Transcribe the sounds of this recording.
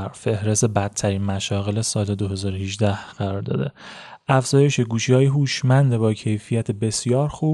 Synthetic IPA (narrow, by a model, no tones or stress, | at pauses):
ɾfe̞hɾe̞st̪ebæt̪ʰːæɾiːnmæʃɒːɣe̞lesɒːled̪oɦe̞zɒːɾohiʒd̪æhɢ̥æɾɒːɾd̪ɒ̰ːd̪e̞ʔæfz̥ɒːje̞ʃeɡuːʃihɒːjeɦuːʃmænd̪ebɒːcʰe̞jfijæt̪ʰebe̞sjɒːɾxuː